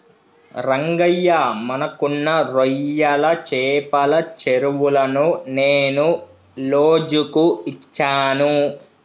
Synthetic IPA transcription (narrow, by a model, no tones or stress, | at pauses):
ɾɐŋɡɐjːɐmɐnɐkunːɐɾɔjːɐlɐt͡ʃɛːpɐlɐt͡ʃeɾuʋulɐnuneːnu | loːd͡ʒukuit͡ʃːaːnu